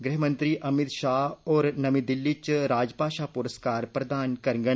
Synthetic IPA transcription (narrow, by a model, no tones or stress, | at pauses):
ɡɾɪɦmə̃nt̪ɾiːʔɐmɪt̪ʃaːɦɔːɾnɐmĩd̪ɪlːit͡ʃɾaːd͡ʒpaːʃaːpʊɾəskaːɾpɾɐd̪aːnkɐɾŋɡə